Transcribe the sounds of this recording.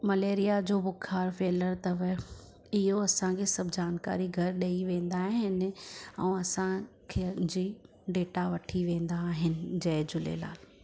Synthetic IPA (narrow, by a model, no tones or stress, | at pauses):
mɐleːɾijad͡ʑoːbʊkʰaːɾfeːləɾt̪ɐʋɪ | ɪɦoɐsãkʰeːsɐbʱɪd͡ʑaːnka̰ːɾiɡʱɐɾɗɐiʋẽːn̆d̪aːɦɪnɪ̆ɛ̰̃ːɐsãkʰeːd͡ʑiː | ɖeːʈaʋɐʈʰiʋẽːn̆d̪aːɦɪnɪ̆d͡ʑɐːd͡ʑʊlḛla̰ːl